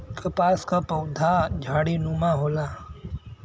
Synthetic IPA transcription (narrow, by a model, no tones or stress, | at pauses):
kəpaːskapok̚d̪ʱad͡ʒʱaːɽinumaɦoːlaː